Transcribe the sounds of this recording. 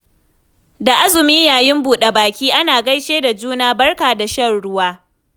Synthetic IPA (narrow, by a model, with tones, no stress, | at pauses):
da˨ʔa˦zʊ˨miː˦jaː˨jɪ˦mbuː˨ɗe˨baː˨kʲiː˦ʔa˦naː˨ɡɐ˦jʃeː˦da˨d͡ʒuː˦naː˦bɐ˦rkaː˨da˨ʃɐ˦nɽʊ˦waː˦